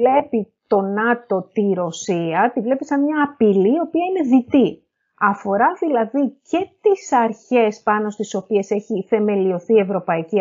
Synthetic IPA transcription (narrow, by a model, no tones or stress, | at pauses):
le̞pit̪o̞nɐt̪o̞t̪iɾo̞siɐt̪ivle̞pisɐnmɲɐːpilio̞piɐine̞ðit̪i | ɐfo̞ɾɐðilɐðice̞t̪isɐɾçe̞spɐno̞st̪iso̞pie̞se̞çiθe̞me̞lio̞θie̞vɾo̞pɐici